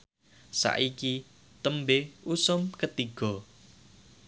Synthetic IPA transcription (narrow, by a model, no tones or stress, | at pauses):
sa̰ʔiki | t̪əmbeusʊmkət̪iɡ̥ɔ̤